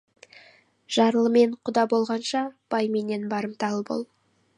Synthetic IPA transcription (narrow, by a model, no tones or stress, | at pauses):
ʒ̥ɑɾlˠəme̞ɴqʰʊd̪ɑbo̞lˠʁɑnʃɑb̥ɑjme̞ne̞nbɑɾəmt̪ɑlˠəbo̞̰lˠ